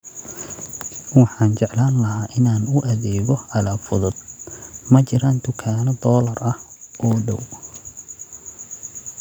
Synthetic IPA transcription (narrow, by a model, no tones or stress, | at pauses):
wɑħɑːnt͡ʃɛʕlaːnlɐhaːʔɪnaːnʊʔɐðɛːɣɔʔɐlaːfʊðʊd̪mɐt͡ʃɪɾaːnd̪ʊkʰaːnɔd̪ɔːlɐrɐhʔɔːɖɔ̰w